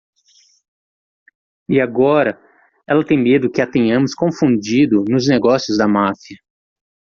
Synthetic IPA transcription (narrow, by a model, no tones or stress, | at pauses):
iaɡɔɾɐ | ɛlɐt̪ẽj̃med̪ʊkɪat̪ẽɲɐ̃mʊskõfũd͡ʒid̪ʊnʊzneɡɔsjʊzd̪ɐmafiɐ